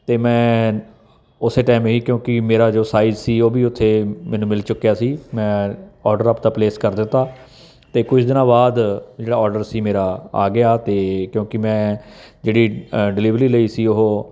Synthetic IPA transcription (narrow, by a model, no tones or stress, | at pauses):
t̪eːmɛ̃ː | ʊseːʈaːɪmɦiːkjõːkɪmeːɾaːd͡ʒoːsaːɪzsiːoːbiːʊt̪ʰːeːmɛ̃ːnũːmɪlt͡ʃʊkːjaːsiːmɛ̃ːɔːɾɖəɾəpd̪aːpleːskəɾd̪ɪt̪ːaː | t̪eːkʊt͡ʃʰd̪ɪnãːbaːd̪d͡ʒeːɽaːɔːɾɖəɾsiːmeːɾaːa̰ːɡɪaːt̪eːkjõːkɪmɛ̃ːd͡ʒeːɽiːɖɪliːʋɾiːləiːsiːʊɦoː